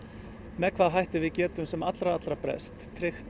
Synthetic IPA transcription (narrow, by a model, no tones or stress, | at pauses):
mɛkʰv̥aːðɦajht̪ɪvɪðcɛːt̪ʏmsɛmat̪lɾaat̪lɾapɾɛ̰st̪ʰːɾɪxt̪